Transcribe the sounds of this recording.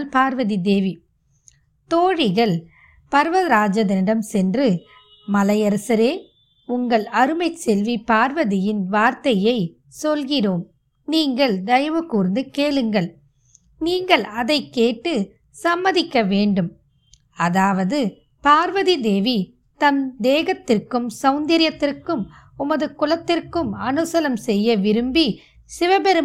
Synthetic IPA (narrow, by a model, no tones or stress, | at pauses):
lpaːɾʋɐðid̪eːʋi | t̪oːɻɪɣɐɭ | pɐɾʋɐðɾaːd͡ʒɐðɐnɪɽɐmsɛndrɯ | mɐlɐjɐɾɐsɐɾeː | ʊŋɡɐɭɐɾɯmɐɪt͡ʃɛlʋipaːɾʋɐðɪjɪnʋaːɾt̪ɐjɐɪ | sɔlɣɪroːm | niːŋɡɐɭd̪ɐjɐʋɯkuːɾnd̪ɯkeːɭɯŋɡɐɭ | niːŋɡɐɭɐðɐɪkːeːʈːɯ | sɐmːɐðɪkːɐʋeːɳɖɯm | ɐðaːʋɐðɯ | paːɾʋɐðid̪eːʋi | t̪ɐnd̪eːɣɐt̪ːɪrkɯmsɐʊnd̪ɐɾɪjɐt̪ːɪrkɯm | ʊmɐðɯkʊlɐt̪ːɪrkɯmɐnɯsɐlɐmsɛjːɐʋɪɾɯmbi | sɪʋɐbɛɾɯ